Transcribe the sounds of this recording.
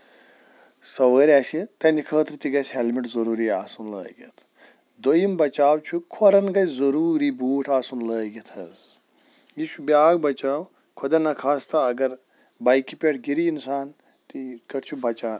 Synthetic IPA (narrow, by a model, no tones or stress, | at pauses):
sɐʋəːɾʲaːsit̪ɐnikʰəːt̪ɾɨt̪iɡɐsʲɦelmiʈzɐɾuːɾiːaːsunlə̰ːɡʲɐ̰t̪ʰ | d̪ojimbɐt͡ʃaːwt͡ʃʰukʰoɾɐnɡɐzɐɾuːɾiːbuːʈʰaːsunləːɡʲɐt̪ʰɐz | jit͡ʃʰubʲaːɡbɐt͡ʃaːw | kʰod̪ɐnɐkʰaːst̪ʰɐɐɡɐɾ | bɐjkipʲeʈʰɡiɾiːnsaːn | t̪ikɐʈt͡ʃʰubɐt͡ʃaːn